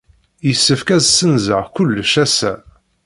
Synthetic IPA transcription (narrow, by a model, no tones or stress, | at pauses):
jəsːəfkæzsənzə̰ʁkʷʊlːʃæsæ̰